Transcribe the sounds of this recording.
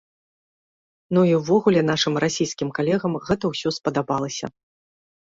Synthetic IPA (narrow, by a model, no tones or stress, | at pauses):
nuiwvɔɣulʲɛn̪aʂɨmrasʲijskʲimkalʲɛɣɐmɣɛt̪ɐwsʲɔspɐd̪abalˠɐsʲɐ̰